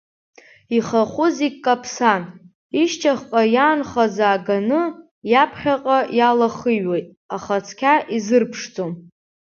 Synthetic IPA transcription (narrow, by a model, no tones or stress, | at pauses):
iχaχʷʊzikkʼːapʰsan | iʃt͡ʃʰʼaχqʼajaːnχazaːɡanɨ | japʰχʲaqʼajalaχɨjɥejtʼ | aχat͡sʰkʲʰaʔizɨrpʰʂd͡zʼom